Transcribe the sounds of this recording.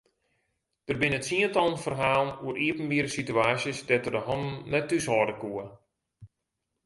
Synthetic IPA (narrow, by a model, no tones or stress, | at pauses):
d̥ərbɪnətsiəntɔlˠənfərɦaːlˠənuəɾʔiəpən̩ʋiəɾəsityaːsjəsdɛtərdəɦɔndn̩nɛtːyshɔːdəkuə